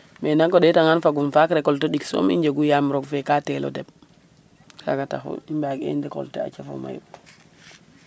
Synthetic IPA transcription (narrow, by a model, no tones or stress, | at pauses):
mɛnaŋkɔɗɛtaŋanfaɡumfakɾɛkɔltɔɗiksɔ̰mḭɲd͡ʒeɡujamɾɔɡfɛkatɛlɔ̰dɛb | sa̰ɡata̰xṵimbaɡḛndɛkɔ̰ltɛa̰t͡ʃafo̰ma̰ju